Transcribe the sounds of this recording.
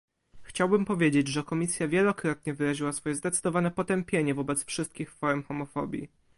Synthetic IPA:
xt͡ɕawbɘmpɔvʲjed͡ʑed͡ʑʐɛkɔmʲisʲjavʲjɛlɔkɾɔt̪̚ɲɛvɘɾaʑiwasfɔjɛzd̪ɛt̪sɘd̪ɔvanɛpɔt̪ɛmpʲjeɲɛvɔbɛt̪sfʂɘst̪̚kʲixfɔɾmxɔmɔfɔ̰bʲjḭ

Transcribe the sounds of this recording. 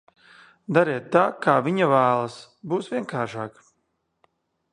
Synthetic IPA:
d̪aɾiɛt̪ːaːkaːvʲiɲavæːlˠas | buːsvʲiɛŋkʰaːɾʃaːk

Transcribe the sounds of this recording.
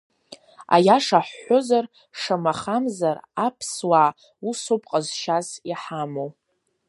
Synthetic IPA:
a̰jaʂaħːozar | ʂamaχamzarapʰswa | usopʼqʼazʃaziħamow

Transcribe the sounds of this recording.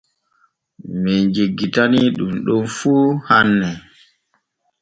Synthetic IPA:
mɛd͡ʒeɡːitaniɗumɗɔnfuːhanːɛ

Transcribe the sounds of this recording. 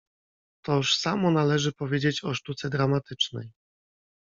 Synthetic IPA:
t̪ɔʂsamɔnalɛʐɘpɔvʲjed͡ʑet͡ɕɔʂt̪ut̪sɛd̪ɾamat̪ɘt͡ʂnɛ̰j

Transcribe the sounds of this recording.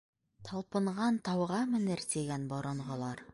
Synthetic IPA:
t̪ʰɑlˠpɤ̆ɴʁɑnt̪ɑwʁɑmɘ̆nɘɾt̪iɡænboɾɤ̆ɴʁɤ̆lˠɑɾ

